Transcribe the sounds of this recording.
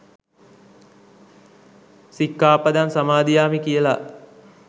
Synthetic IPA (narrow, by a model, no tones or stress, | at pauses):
sikːaːpad̪ansamaːd̪ijaːmikijəla